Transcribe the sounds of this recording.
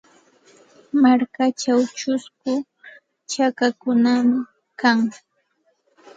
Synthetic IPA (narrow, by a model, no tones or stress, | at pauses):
maɾkat͡ʃawt͡ʃʊskʊ | t͡ʃakakʊnamɪ | kaŋ